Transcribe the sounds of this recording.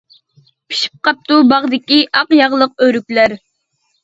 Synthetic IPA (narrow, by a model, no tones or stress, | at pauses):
pʰi̥ʃi̥p̚qɑp̚t̪ubɑʁd̪ɪkʲiʔɑqjɑʁlˠəq̚øɾykʲlæɾ